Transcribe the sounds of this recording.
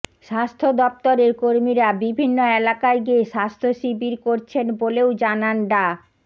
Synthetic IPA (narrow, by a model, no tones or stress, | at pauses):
ʃast̪ʰod̪ɔp̚t̪oɾeɾkoɾmiɾabibʱinːoɛlakaɾɡieʃast̪ʰoʃibiɾkoɾt͡ɕʰenboleod͡ʑananɖa